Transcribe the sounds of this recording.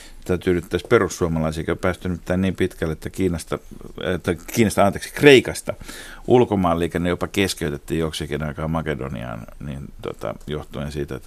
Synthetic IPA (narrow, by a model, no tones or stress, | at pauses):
t̪æyt̪yːlyt̪ːæsperussuomɑlɑisiekopæːst̪ynt̪ːæːnniːmpit̪kælːet̪ːækiːnɑst̪ɑet̪ːækiːnɑst̪ɑɑnt̪eksi̥kreikɑst̪ɑ | ʔulkomɑːlːeˑikænejopɑkeskeyt̪et̪ːiːjjoksekinɑikɑːmɑkedo̰nḭɑ̰ːnniːnt̪uo̰t̪ɑ̰joht̪uensiːt̪æet̪ː